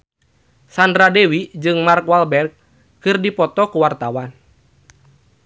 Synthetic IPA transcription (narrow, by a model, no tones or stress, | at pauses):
sandɾadɛwid͡ʒɨŋmarkwalbɛrɡ̚ | kːɨrdipɔt̪ɔkuwart̪awan